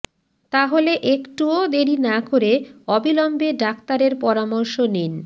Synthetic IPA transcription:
t̪aɦoleʔekʈuod̪eɾinakoɾeɔbilɔmbeɖak̚t̪aɾeɾpɔɾamɔɾʃonin

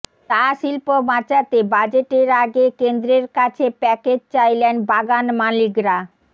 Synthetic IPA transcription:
t̪aʃilpomat͡ɕat̪ebad͡ʑeʈeɾaɡekend̪ɾeɾkat͡ɕʰepɛked͡ʑt͡ɕajlenbaɡanmalikɾa

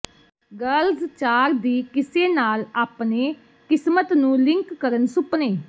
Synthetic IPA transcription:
ɡəlzt͡ʃaːɾd̪iːkɪseːnaːlaːpneː | kɪsmət̪nũːlɪ̃ŋkːəɾənsʊpneː

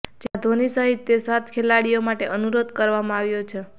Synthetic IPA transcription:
d͡ʒead̪ʱonisəɦit̪ːesat̪kʰelaɽijomaʈeʔənuɾod̪kəɾʋamãaʋjot͡ʃʰe

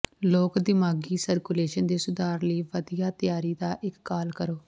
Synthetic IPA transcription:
loːkd̪ɪmaːɡiːsəɾkʊleːʃənd̪eːsʊd̪aːɾləiːʋəd̪ijaːt̪jaːɾiːd̪aːʔɪkːaːlkəɾoː

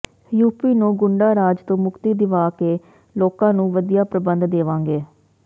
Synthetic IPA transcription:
juːpiːnũːɡʊɳɖaːɾaːd͡ʒt̪õːmʊkt̪iːd̪ɪʋaːkeː | loːkãːnũːʋəd̪ijaːpɾəbənd̪d̪eːʋãːŋɡeː

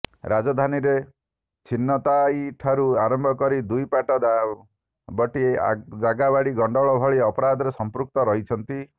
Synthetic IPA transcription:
ɾad͡ʒɔd̪ʱaniɾe | t͡ʃʰinːɔt̪ajiʈʰaɾuaɾɔmbʱɔkɔɾid̪ujpaʈɔd̪a | bɔʈiḛd͡ʒaɡabaɽiɡɔɳɖɔɭɔbʱɔɭiɔpɔɾad̪ʱɔɾesɔmpɾuk̚t̪ɔɾɔɦit͡ʃʰɔnt̪i

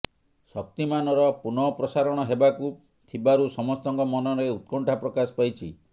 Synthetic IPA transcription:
sɔk̚t̪imanɔɾɔpunɔpɾɔsaɾɔɽ̃ɔɦebaku | t̪ʰibaɾusɔmɔst̪ɔŋkɔmɔnɔɾeut̪̚kɔɳʈʰapɾɔkasɔ̥pajt͡ʃʰi

